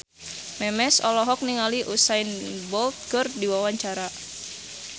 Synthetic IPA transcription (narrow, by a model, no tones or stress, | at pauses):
mɛmɛsɔlɔɦɔk̚niŋaliʔusajnbɔlt̪̚ɡ̥ɔrdiwawaɲt͡ʃaɾa